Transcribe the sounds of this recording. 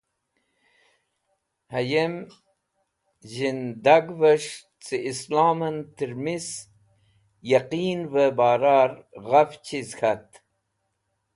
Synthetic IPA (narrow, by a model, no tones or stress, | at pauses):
hajem | ʑind̪aɡvəʂ | t͡siislaːmɐnt̪iɾmis | jaqiːnvəbaːɾaɾʁaft͡ɕʰizxʰat̪